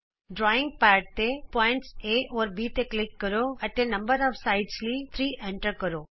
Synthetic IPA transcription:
ɖɾɔːɪ̃ŋɡ̚paːɾɖ̚t̪epɔːɪ̃ɳʈseɔːɾbit̪eklɪkːəɾoɐt̪ẽnɐ̃mbəɾɔʋsaɪʈslit̪ʰɾiːʔɛ̃ɳʈəɾkəɾoː

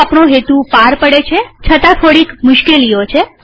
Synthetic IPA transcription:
apɳoɦet̪upaɾpəɽet͡ʃʰet͡ʃʰət̪ãt̪ʰoɽikmʊʃkelijot͡ʃʰe

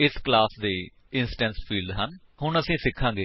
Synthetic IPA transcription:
ɪsklaːsd̪eː | ɪnsʈɛ̃nspʰiːlɖ̪ɦən | hʊɳəsĩːsɪkʰːãːŋɡeː

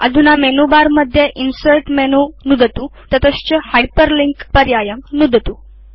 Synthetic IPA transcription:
ə̰d̪ʱunamenubaɾməd̪ʱːjeʔinsəʈmenunud̪ət̪ut̪ət̪əst͡ɕəhajpəɾliŋkpəɾjajəmnud̪ʱt̪u

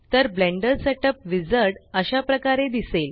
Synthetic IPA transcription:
t̪əɾblɛ̃ɳɖəɾsɛʈəpʋid͡zəɾɽəɕapɾəkaɾed̪isel

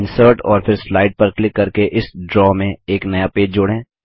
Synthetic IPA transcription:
ɪ̃nsəɾʈɔːɾfʰɪɾslaːɪʈ̚pɐɾklɪkːɐɾkeʔɪsɖɾɔːmẽeːknɐjapeːd͡ʒd͡ʒʊɽẽː

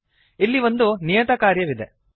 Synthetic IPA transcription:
ilːiʋo̞nd̪unijɐt̪ɐkaːɾjɐʋid̪e

